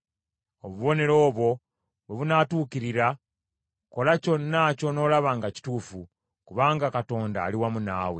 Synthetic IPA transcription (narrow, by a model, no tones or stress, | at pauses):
oβuβo̞ne̞ɾo̞ːβwo̞ | βweβunatuːkiɾiɾa | ko̞laco̞nːaco̞no̞ːlaβaːŋɡaci̥tuːfu | kuβaːŋɡakato̞ːnda̰ːliwamunaːwe